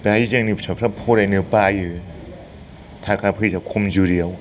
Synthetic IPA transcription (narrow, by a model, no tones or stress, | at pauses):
pajizeŋnɯsʰapʰɾapʰoɾanɯpajɯ | t̪ʰakʰapʰɯjzakʰumd͡ʒuɾiaw